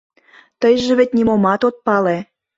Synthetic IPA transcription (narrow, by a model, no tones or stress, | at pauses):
t̪əjʒĕβet̚ʲnimomɑt̪ot̪̚pɑle